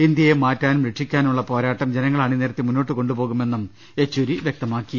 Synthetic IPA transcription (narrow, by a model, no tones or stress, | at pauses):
ind̪jɐjemaːtːaːnumɾeʈʂikʲːaːnuɭːɐpo̞ːɾaːʈːɐmd͡ʑe̞nɐŋːɐɭaːɳiniːɾɐt̪ːimunːo̞ːʈːɨko̞ɳɖupo̞ːɣume̞nːum | e̞t͡ɕːuɾiʋjek̚t̪ɐmaːkːi